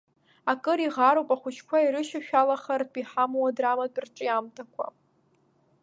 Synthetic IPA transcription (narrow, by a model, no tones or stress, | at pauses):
akʼɨɾiʁaɾkʷʼaχʷʊt͡ʃkʷʰaiɾɨʃaʃᶣalaχartʰʼiħamwadramadʼrʈ͡ʂʼɨjamtʰakʷʰa̰